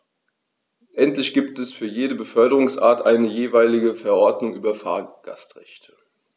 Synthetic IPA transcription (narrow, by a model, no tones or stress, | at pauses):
ʔɛntlɪçɡ̥iːptɛsfyːɐjeːdəbəfœɐdəʁʊŋsʔa̰ːɐtʔaɪnəjeːvaɪlɪɡəfɛɐʔɔɐtnʊŋʔyːbɐfa̰ːɐɡ̥a̰stʁ̥ɛçtʰə̥